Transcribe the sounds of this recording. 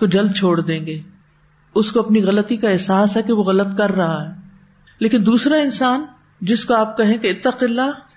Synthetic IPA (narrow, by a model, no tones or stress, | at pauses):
kod͡ʒɐld̪̚t͡ʃʰoːɽd̪ẽːŋɡeː | ʊskoɐpniɣɐlət̪ikaɛɦsaːsɦɛkeʋoɣɐlət̪̚kɐɾːɐɦaɦɛː | leːkɪnd̪uːsɾaɪnsaːn | d͡ʒɪskoaːp̚kɐɦẽkeɪt̪ːaqɪlːa